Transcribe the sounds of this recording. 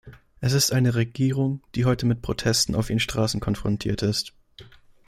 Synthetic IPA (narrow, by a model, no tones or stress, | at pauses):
ʔɛsɪstʔaɪnəʁeɡiːʁ̞ʊŋd̥iːɦɔʏtʰəmɪt̚pʁ̥otʰɛstn̩a̰ʊfiːnʃtʁ̥aːsn̩kʰɔnfʁ̥ɔntʰḭːɐtɪst